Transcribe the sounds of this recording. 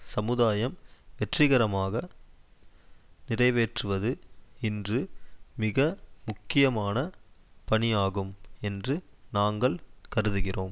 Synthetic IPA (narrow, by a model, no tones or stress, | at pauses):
sɐmɯðaːjɐmʋɛʈrɪɣɐɾɐmaːɣɐ | nɪrɐɪʋeːʈrɯʋɐðɯɪndrɯmɪɣɐmʊkːɪjɐmaːnɐpɐɳɪjaːɣɯmɛndrɯ | naːŋɡɐɭkɐɾɯðɯɣɪroːm